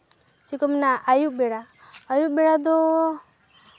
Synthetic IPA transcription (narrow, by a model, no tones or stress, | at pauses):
t͡ʃikəmnaajubeɽa | ajubeɽad̪o